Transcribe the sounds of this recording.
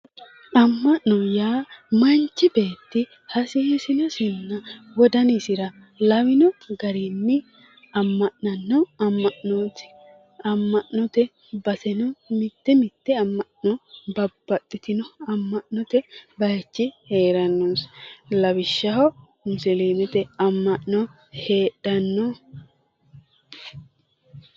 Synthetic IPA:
ʔɐmːɐʔnɔjaːmɐnt͡ʃːɪbe̞ːt̪ːɪ | hɐsɪhɪsɪnɔsɪnːɐwɔd̪ɐnɪsɪɾɐ | lɐwɪnɔɡɐɾinːɪ | ɐmːɐʔnɐnːɔɐmːɐʔnoːt̪ɪ̥ | ɐmːɐʔnɔt̪ɛ | bɐsɛnɔmɪt̪ːɛmɪt̪ːɛɐmːɐʔnɔbɐbːɐt̪ʼːɪt̪ɪnɔɐmːɐʔnɔt̪ɛbɐjɐt͡ʃːɪhe̞ːɾɐnːunslɐwɪʃːɐɦɔ | mʊsɛleːmɛt̪ɛɐmːɐʔnɔ | he̞ːᶑɐnːɔ

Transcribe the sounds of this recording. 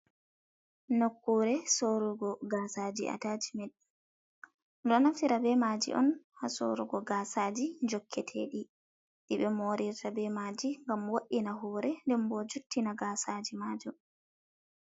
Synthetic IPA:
nokːuɾɛsoɾuɡɔɡaːsad͡ʒḭʔa̰taːd͡ʒimɛɗ | ɗɔnafiɾabɛmad͡ʒḭʔɔ̰nhaso̰ɾuɡɔɡasaːd͡ʒiɲd͡ʒɔkʰːɛtʰɛ̰ɗi | ɗiɓɛmoɾiɾtabɛmaːd͡ʒiŋɡamwoɗːinaɦɔːɾɛndɛmbɔd͡ʒutːinaɡaːsad͡ʒimaːd͡ʒɔ

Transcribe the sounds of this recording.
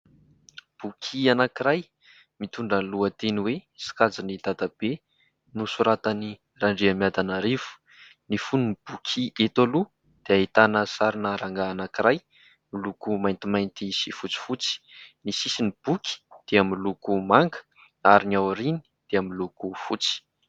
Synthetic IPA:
b̥ukʰianakiɾaj | mit̪uɳɖ͡ʐənluət̪eniwesi̥kad͡zinid̪ad̪ab̥e | nusuɾat̪ani | raɳɖ͡ʐiəmjad̪anaɾivu̥ | nifununib̥ukʰiʔet̪olu | d̪̥eait̪anəsaɾinəɾaŋɡaːnakiɾaj | milukumajnt̪imajnt̪isifut͡si̥fut͡si̥nisisinib̥ukʲi̥d̪̥eamilukumaŋɡə̥ | aɾiniawɾini̥d̪̥eamilukufut͡si̥

